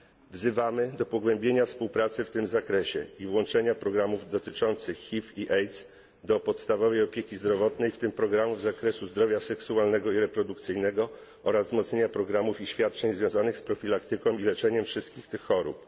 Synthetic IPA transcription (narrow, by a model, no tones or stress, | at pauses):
vzɘvamɘd̪ɔpɔɡwɛmbʲjeɲafspuwpɾat̪sɘft̪ɘmzakɾɛɕɛ̰ivwɔnt͡ʂɛɲapɾɔɡɾamuvd̪ɔt̪ɘt͡ʂɔnt̪sɘxːifiʔɛj̪z | d̪ɔpɔt̪st̪avɔvɛjɔpʲjekʲizd̪ɾɔvɔt̪nɛjft̪ɘmpɾɔɡɾamuvzakɾɛsuzd̪ɾɔvʲjasɛksualnɛɡɔiɾɛpɾɔd̪ukt̪sɘjnɛɡɔ | ɔɾazzmɔt̪sɲeɲapɾɔɡɾamufiɕfʲjat̪̚t͡ʂɛɲzvjɔ̃w̃zanɘxspɾɔfʲilakt̪ɘkɔ̃w̃ilɛt͡ʂɛɲɛmfʂɘst̪kʲixt̪ɘxːɔɾṵp̚